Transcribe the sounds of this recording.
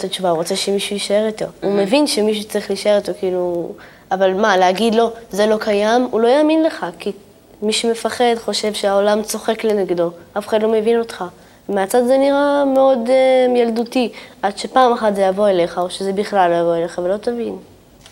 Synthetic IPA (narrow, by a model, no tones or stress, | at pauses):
t̪at͡ʃuvauʁo̞t͡se̞ʃemiʃujiʃae̞ʁito̞ume̞vinʃemiʃ̬ut͡saʁiχliʃae̞it̪okiːlu | avalmaleaɡid̪lo̞ze̞lo̞kʰajamulo̞jaːminle̞χaki | miʃume̞faχe̞dχo̞ʃe̞vʃeao̞lamt͡so̞χe̞kle̞neɡdo̞afe̥χadlo̞mevino̞t̪χa | vemeat͡sadzeniʁameo̞d̪jaldutiʔad̪ʃe̞paːmaχat̪zejavo̞ele̞χao̞ʃeze̞biχlalojavo̞ele̞χavelo̞t̪avin